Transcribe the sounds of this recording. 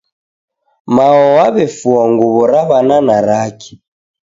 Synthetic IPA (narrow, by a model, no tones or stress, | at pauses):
maɔwaβɛfuɔŋɡuβɔɾaβananaɾaki̥